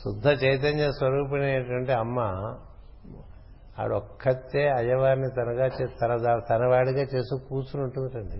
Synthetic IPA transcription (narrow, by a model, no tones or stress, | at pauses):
sud̪ʱːɐt͡ʃɐjt̪̬ɐnɐsʋɐɾuːp̬ɐneːʈɐɳʈeːɐmːa | a̰ːɽɔkʰːɐt̪ːeːɐjɐʋaːɾnit̪ɐnɐɡaːt͡ʃet̪ɐnɐd̪at̪ɐnɐʋaːɽiɡaːt͡ʃe̞ːst̪uːkuːsunuɳʈund̪ɐʈɐɳɖi